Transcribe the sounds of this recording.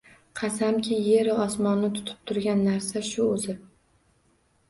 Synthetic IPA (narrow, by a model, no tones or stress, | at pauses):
qʰɑsamkʲʰɪje̞ɾɪɒsmɒnːɪt̪ʰʊ̥t̪ʰɪ̥p̚t̪ʰʊɾɡʲanːaɾsaʃʊɵzɪ